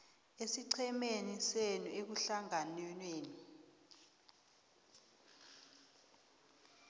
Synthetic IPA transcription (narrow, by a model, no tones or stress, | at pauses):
esiǀʰɛmenisenuʔek̬uɬaŋanɛnweːni